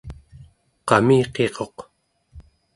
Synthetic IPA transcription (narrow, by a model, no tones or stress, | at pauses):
qɑmiːqe̞ʁo̞q